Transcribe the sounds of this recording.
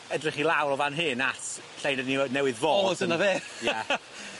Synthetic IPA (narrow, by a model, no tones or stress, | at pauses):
ədrɪχilˠawɾɔvanɦɨnatʰ | ɬejnədninɛwɪðvoːzənaðeːja